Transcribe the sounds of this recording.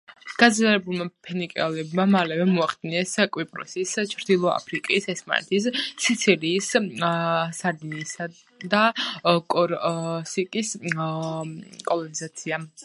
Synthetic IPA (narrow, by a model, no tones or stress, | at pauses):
ɡ̥ad̪zɾialɛbulˠmapʰɛnikʼɛ̰lɛbmamalɛvɛmɔaχd̪inɛskʼwipʼɾɔ̰sist͡ʃʰɾd̪ilˠɔa̰pʰɾikʼisɛsma̰nɛ̰t̪ʰissʰit̪sʰiɾiːs | saɾd̪inisa | d̪akʼɔɾsikʼis | kʼɔlˠɔnizat̪sʰia